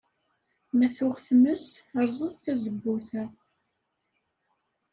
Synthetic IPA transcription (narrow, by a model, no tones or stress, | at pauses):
mæθʊʁθməsəɾˤzˤəðˤθæzəbːʊθæ